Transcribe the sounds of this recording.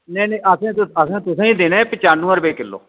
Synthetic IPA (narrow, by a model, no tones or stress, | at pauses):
nɛːnẽːʔəsẽːt̪ʊəsãːt̪ʊsãːĩd̪eːnẽːpɪt͡ʃaːnũːəɾbeːkɪlːo̰ː